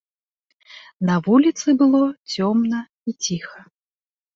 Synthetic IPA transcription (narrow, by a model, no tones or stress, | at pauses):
nɐvulʲit̪sɨbɨlˠɔt͡sʲɔmnɐ | it͡sʲixɐ